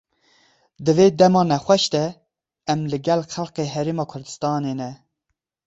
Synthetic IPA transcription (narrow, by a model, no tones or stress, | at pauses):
d̪ɨveːd̪ɛmɑːnɛxʷɛʃt̪ɛ | ɛmlɨɡɛlxælqeːɦɛɾeːmɑːkʰʊɾd̪ɨ̥st̪ɑːneːnɛ